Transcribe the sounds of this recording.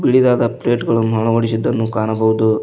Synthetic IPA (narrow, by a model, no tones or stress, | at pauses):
biɭid̪aːd̪ɐpleːʈɡɐɭumɐɭɐʋɐɽisid̪ːɐnːukaːnɐbɐɦud̪u